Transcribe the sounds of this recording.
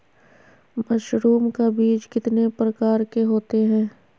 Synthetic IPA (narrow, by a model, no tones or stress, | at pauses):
mɐʃɾuːmkabiːd͡ʒkɪt̪nepɾɐkaːɾkeɦoːt̪eɦɛ̃ː